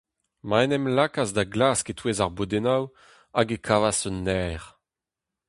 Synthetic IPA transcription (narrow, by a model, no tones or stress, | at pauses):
maɛnɛmlakazd̪aɡlaːsket̪weːzaʁbod̪enaw | aɡekʰavasɔnːɛːʁ